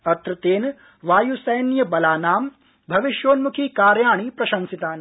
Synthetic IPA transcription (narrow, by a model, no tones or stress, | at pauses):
ɐt̪ɾɐt̪eːn | ʋaːjusɐjnjɐbɐlaːnaːm | bʱɐʋiʃjoːnmukʰikaːɾjaːɳipɾɐʃɐnsit̪aːn